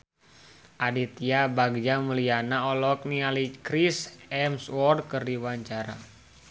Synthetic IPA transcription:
ʔadit̪iabaɡd͡ʒaməlianaɔlɔk̚nialikɾisɛmswɔrd̚kərdiwaɲt͡ʃaɾa̰

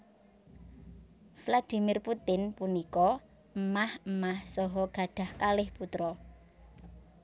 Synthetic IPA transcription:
flad̥i̤mirput̪ɪnpunikɔ | əmahəmahsɔɦɔɡ̥ä̤ɖ̥a̤hkalɪhput̪ɾɔ

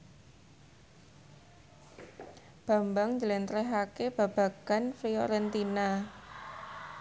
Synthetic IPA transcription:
b̥a̤mbaŋd͡ʒəlɛnt̪ɾɛɦakeb̥a̤b̥a̤kanfɾiɔ̰ɾɛnt̪ina

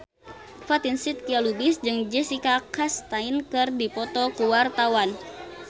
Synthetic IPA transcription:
fat̪insit̪̚kialubisd͡ʒɨŋd͡ʒɛsikakast̪ainkɨrdipɔt̪ɔkuwart̪awan

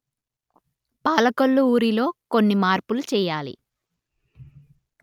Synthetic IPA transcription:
paːlɐkɐlːuuːɾilo̞ːko̞nːimaːɾpulut͡ʃɛːjaːlḭ

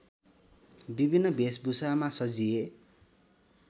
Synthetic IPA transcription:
bibʱinːʌbesbusamasʌd͡zie

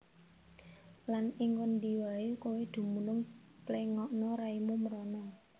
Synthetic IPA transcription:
lanɪŋwənd̪iwaekowed̪̥ṳmunʊŋ | pleŋɔʔnɔɾaimuməɾɔnɔ

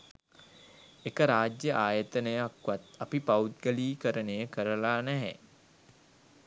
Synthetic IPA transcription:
ekəɾaːd͡ʒjəʔaːjət̪ənəjəakʋat̪apipaut̪̚ɡəliːkəɾənejəkəɾəlaːnæɦɛ̰

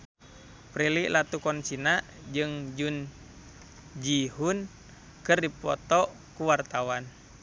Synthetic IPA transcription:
pɾiliʔlat̪ukɔnt͡ʃinaʔ | d͡ʒɨŋd͡ʒun | d͡ʒiɦun | kɨrdipɔ̰t̪ɔ | kuwart̪awan

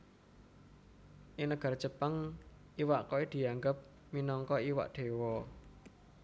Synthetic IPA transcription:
ʔɪŋnəɡ̥a̤rt͡ʃəpaŋ | ʔiwaʔkoed̪̥i̤aŋɡəp̚ | minɔŋkɔiwa̰ʔd̪̥e̤wɔ

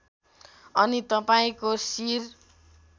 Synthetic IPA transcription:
ʌnit̪ʌpaĩkosir

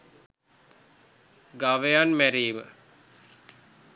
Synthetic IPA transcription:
ɡaʋejanmæɾiːmə

